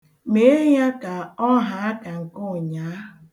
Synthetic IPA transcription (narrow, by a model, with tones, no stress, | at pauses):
me˨˦e˦ja˦ka˨ɔ˦ɦa˨a˦ka˨ŋ̩˨kʊ˦˨ɲa˨˦